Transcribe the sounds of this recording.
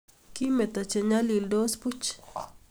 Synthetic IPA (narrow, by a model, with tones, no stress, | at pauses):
ki˦me˨t̪a˨t͡ʃe˨ɲa˦li˨ld̪o˦spu˦t͡ʃ